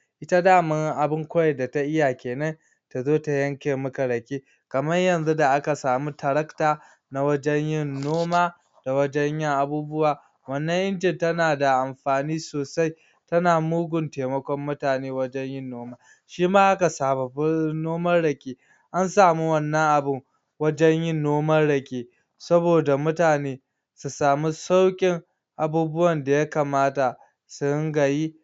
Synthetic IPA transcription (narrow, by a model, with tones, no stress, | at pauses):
ʔɪ˦ta˦daː˦˨mɐ˦ŋʔa˨bɪ˦ŋkʷɐ˦jɛ˨da˨ta˦ʔɪ˦ja˨kʲeː˨nɐ˦ŋ | ta˨zoː˦ta˨jɐ˦ŋkʲeː˨mʊ˦ka˨ɽɐ˨kʲeː˦ | kɐ˨mɐ˦jjɐ˨nzu˦da˨ʔa˦ka˨saː˨mu˦ta˨ɾɐ˦ktaː˨ | na˦wɐ˦d͡ʒɛ˦ɲjɪ˦nːoː˦maː˦ | d̥a˨wɐ˦d͡ʒɛ˦ɲjɪ˦ŋʔa˨buː˦bʊ˦waː˨ | wɐ˦nːɐ˦ŋʔɪ˦nd͡ʒɪ˨ntɐ˦naː˨da˨ʔa˨mɸaː˨niː˦soː˨sa˦j | tɐ˦naː˨muː˦ɡʷʊ˨nteː˨mɐ˦kʷɔ˦mːʊ˦taː˨neː˦wɐ˦d͡ʒɛ˦ɲjɪ˦nːoː˦maː˦ | ʃiː˦maː˦ʔa˦ka˨saː˨bɐ˨bnoː˦mɐ˦rɽɐ˨kʲʼeː˦ | ʔa˦nsaː˨mu˦wɐ˦˨nːɐ˦ŋʔa˨bɪ˦ŋ | wɐ˦d͡ʒɛ˦ɲjɪ˦nːoː˦mɐ˦ɽɐ˨kʲeː˦ | sɐ˦boː˨da˨mʊ˦taː˨neː˦ | su˨saː˨mi˦sa˦wkʲʼɪ˦ŋ | ʔa˨buː˦bʊ˦wɐ˨nda˨ja˦kaː˨maː˦ta˨ | sʊ˦ŋɡɐ˨jiː˦